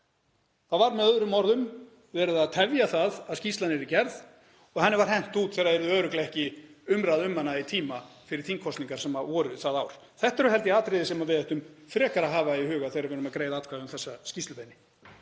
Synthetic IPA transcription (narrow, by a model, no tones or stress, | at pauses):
θaðvaɾmɛðœðɾʏmːɔɾðʏm | vɛːɾʏðaðt̪ʰɛvjaθaðaðscist̪lanɛɾɪcɛɾð | ɔɣhanːɪɾvaɾ̥hɛn̥t̪uːt̪θɛːɾaɛɾʏðʏœːɾʏklaɛhcɪʏmɾaðʏmːanait̪ʰiːmafɪɾɪɾ̥θiŋkʰɔst̪niŋkaɾ̥sɛmavɔːɾʏθaðawɾ̥ | θɛht̪ɛɾʏɦɛlt̪ɪaːt̪ɾɪðɪsɛmavɪðɛht̪ʏmfɾɛːkaɾaɦaːvaihʏːɣaθejɾaɾvɛːɾʏmaðkɾejðaat̪̚kʰvaːðʏʏmθɛsːascist̪lʏpeːjnɪ